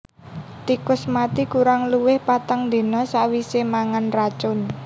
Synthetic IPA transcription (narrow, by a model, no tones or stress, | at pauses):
t̪ikʊsmat̪ikuɾaŋluwɪhpat̪aŋd̪e̤nɔsaʔwisemaŋanrat͡ʃʊn